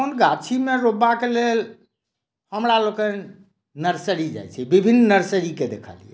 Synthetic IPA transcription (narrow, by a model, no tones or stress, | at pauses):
onɡat͡ʃʰimeɾobakelel | həmɾalokən | nəɾsəɾid͡ʒa̰jt͡ʃʰɛbibʱinːnəɾsəɾiked̪ekʰə̰liɛ